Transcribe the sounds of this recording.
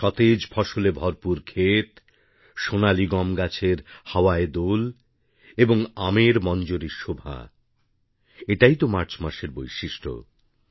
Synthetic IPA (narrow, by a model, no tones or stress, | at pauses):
ʃɔt̪ed͡ʑfʰɔʃolebʱɔɾpuɾkʰet̪ | ʃonaliɡɔmɡat͡ɕʰeɾhaoaed̪ol | eboŋameɾmɔnd͡ʑoɾiɾʃobʱa̰ | eʈajt̪omaɾt͡ɕmaʃeɾbojʃiʃʈʰo̰